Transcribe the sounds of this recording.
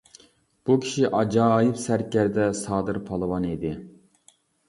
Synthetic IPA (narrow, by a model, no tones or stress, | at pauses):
b̥ukʲʰi̥ʃiʔɑd͡ʒɑːjipsæɾkʲæɾd̪ɛsɑːd̪ɨɾpʰɑlˠɨwɑnid̪ɪ